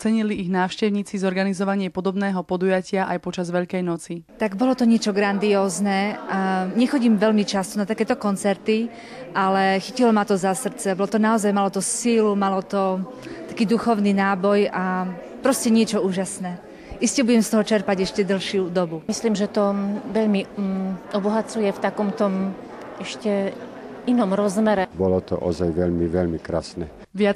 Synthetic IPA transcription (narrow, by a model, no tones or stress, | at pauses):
t͡sɛɲiliiɣnaːʊʃcɛʊɲiːt͡sizɔɾɡanizɔʋaɲɪɛpɔd̪ɔbnɛːɦɔpɔd̪ujacɪaʔajpɔt͡ʃazʋɛʎkɛjnɔt͡sit̪aɡbɔlɔt̪ɔɲɪɛt͡ʃɔɡɾand̪iɔːznɛaɲɛxɔɟiːmʋɛʎmit͡ʃast̪ɔnat̪akɛːt̪ɔkɔnt͡sɛɾt̪i | ʔalɛxicilɔmat̪ɔzasr̩t͡sɛbɔlɔt̪ɔnaɔzajmalɔt̪ɔsiːlumalɔt̪ɔ | t̪ḁkiːd̪uxɔʊninaːbɔja | pɾɔscɛɲɪɛt͡ʃɔuːʒasnɛː | ʔiscɛbuɟɛmst̪ɔɦɔt͡ʃɛɾpaɟɛʃcɛd̪l̩ʃjud̪ɔbumisliːmʒɛt̪ɔʋɛʎmi | ɔbɔɦat͡sujɛft̪akɔmt̪ɔm | ɛʃcɛ | inɔmɾɔzmɛɾɛbɔlɔt̪ɔ̰ʔɔ̰zajʋɛʎmiʋɛʎmikɾa̰snɛ | ʋɪa